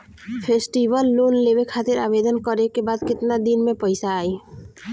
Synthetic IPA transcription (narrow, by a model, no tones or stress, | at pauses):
pʰesʈibəlːunlebekʰat̪ɪɾaːbed̪ənkɔɾekebaːd̪kɪt̪nad̪inmẽpəjsaːi